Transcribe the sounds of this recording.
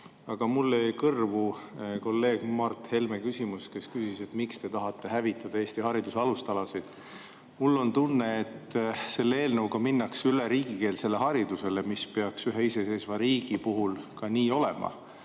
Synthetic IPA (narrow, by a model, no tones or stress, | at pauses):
ɑɡ̥ɑmulːejkɤrvuko̞lːe̞ːɡ̥mɑrt̪he̞lmekysʲimuske̞skysise̞t̪mikst̪e̞t̪ɑɦɑt̪ˑːe̞hævit̪ːˑɑd̪̥ɑe̞ːst̪ihɑɾid̪̥useɑlust̪ɑlɑsid̪̥ | mulːo̞nt̪unːe̞et̪ːse̞lːeeːlnəwkɑminːɑksyleɾiːɡ̥ike̞ːlse̞lːe̞ɦɑɾid̪use̞lemispeɑksyɦeise̞se̞ːsvɑɾiːɡ̥ipuɦulkɑniːo̞le̞̰mʔɑ̰